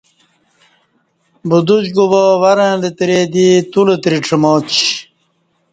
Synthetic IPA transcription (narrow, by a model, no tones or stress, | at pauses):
bud̪ud͡ʑɡuboʋɐɾẽlet̪ɾed̪it̪ulet̪ɾiʈ͡ʂʰəmoːt͡ɕ